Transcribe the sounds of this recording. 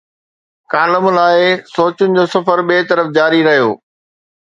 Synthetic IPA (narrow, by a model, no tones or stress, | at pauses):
kaːləmlaːɪsoːt͡ɕʊnɪ̆d͡ʑoːsɐfəɾɓeːt̪ɐɾəfd͡ʑaːɾiɾɐɦijo̰ː